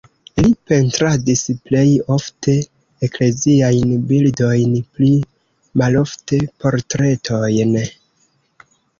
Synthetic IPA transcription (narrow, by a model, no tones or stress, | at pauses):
lipe̞ntɾadisple̞jo̞fte̞ | ekle̞ziajnbildo̞jnpli | malo̞fte̞po̞ɾtɾe̞tʰo̞jn